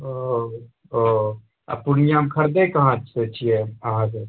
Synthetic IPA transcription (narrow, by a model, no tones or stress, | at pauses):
o | o | a̰puɽijamkʰəɾd̪ekəɦãt͡ʃset͡ʃʰijɛəɦãse